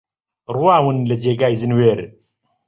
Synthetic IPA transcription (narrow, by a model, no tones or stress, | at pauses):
rwaːwɨnlɨd͡ʒeːɡaːjzɨnweːɾ